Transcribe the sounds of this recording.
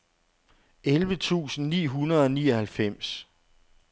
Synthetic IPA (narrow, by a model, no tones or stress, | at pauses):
elʋət͡sʰṵːsn̩nḭːɦunɐð̞ˠɒniːɒhælfem̰s